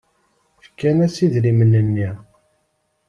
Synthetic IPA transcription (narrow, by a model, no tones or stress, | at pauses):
fkːænæsiðlimənənːi